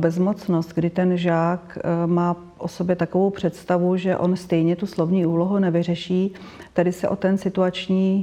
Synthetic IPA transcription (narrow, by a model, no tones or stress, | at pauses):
bɛzmot͡snost̪̚ɡdɪt̪ɛnʒaːkmaː | ʔo̞sobjɛt̪ako̞vowpr̝̥ɛt̪st̪avuʒɛʔonst̪ɛjɲɛt̪uslo̞vɲiːʔuːloɦunɛvɪr̝ɛʃiː | t̪adɪsɛʔo̞t̪ɛnsɪt̪uat͡ʃɲiː